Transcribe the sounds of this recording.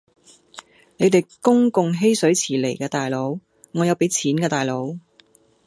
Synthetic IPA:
ne˨˧jt̪e˨˩jkʊ˥ŋkʊ˨ŋɦe˥jsɵ˨˥ɥt͡sʰiː˨˩lḛ˨˩jkɛː˧t̪aː˨jlo˨˥w | ŋɔː˨˧jɐ˨˧wpe˨˥jt͡sʰiː˨˥nkɛː˧t̪aː˨˩jlo˨˧˥w

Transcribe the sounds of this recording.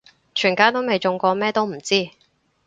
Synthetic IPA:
t͡ʃʰyː˨˩nkaː˨˥jt̪o˥wme˨jt͡ʃʊ˨˧ŋkʷɔː˧mɛː˥t̪o˥wm̩˨˩t͡siː˥˩

